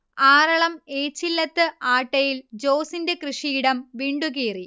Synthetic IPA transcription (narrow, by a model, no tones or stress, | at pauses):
aːɾɐɭɐmeːt͡ɕːilːɐt̪ːɨʔaːʈːɐjild͡ʑo̞ːsindekrɨʂiːɽɐmʋiːɳɖuɣiːri